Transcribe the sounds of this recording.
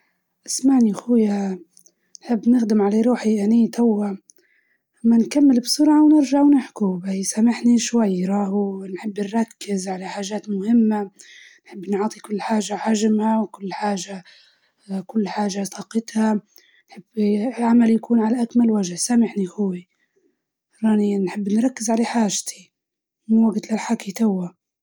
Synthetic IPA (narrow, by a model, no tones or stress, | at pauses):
ʔɪsmaʕnixʊːja | nħɪbːnɪxd̪ɪmʕaleɾuːħiʔaniːt̪ʰawːa | mːankamːɪlbsʊɾʕawnɪɾʒaʕwnɪħkubajsamɪħniʃwajːɾˤɑːhnħɪbːnɾˤɑkːɪzʕalaħaːʒaːt̪mʊhɪmːa | nħɪbːnʕɑːt̪ˤikʊlːħaːʒaʕaʒmawkʊlːħaːʒa | kʊlːħaːʒasɑqɪt̪ha | nħɪbːʕamaljakuːnʕalaʔakmalwaʒhsamɪħnihʊwːi | ɾˤɑːninħɪbːnɾˤɑkːɪzʕalaħaːʒt̪i̥ | muwaɡt̪lɪlħakit̪awːa